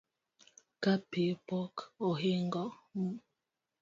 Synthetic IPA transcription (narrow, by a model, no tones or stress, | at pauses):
kapepɔkoɦeŋɡɔmu